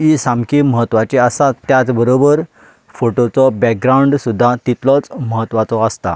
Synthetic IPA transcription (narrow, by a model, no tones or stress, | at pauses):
isamkiməɦət̪ːʋat͡ɕeəsat̪ːjat͡sbəɾobəɾ | foʈot͡sɔbɛk̚ɡɾawɳɖsud̪ʱːat̪it̪lɔt͡sməɦət̪ːʋat͡sɔəst̪a̰